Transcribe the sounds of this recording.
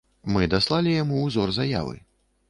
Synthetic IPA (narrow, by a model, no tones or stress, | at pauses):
mɨd̪aslˠalʲijamuːzɔrzaja̰vɨ̰